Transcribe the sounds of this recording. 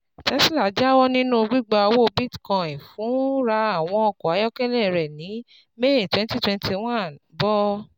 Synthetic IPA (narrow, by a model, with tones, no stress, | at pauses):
tɛ˧˦si˦la˨˦d͡ʒa˦wɔ˦nĩ˦nũ˦˧ɡ͡bi˦ɡ͡ba˧o˧wo˦˧bi˦˨tkã˧ĩ˨fũ˨˦ɾa˧a˦˨w̃ɔ̃˧ɔ˧kɔ˨a˨˦jɔ˦kɛ˦lɛ˦˨ɾɛ˨nĩ˨˦ | me˦˨twɛ̃˦nti˦twɛ̃˧nti˧w̃ã˦˨nbɔ˦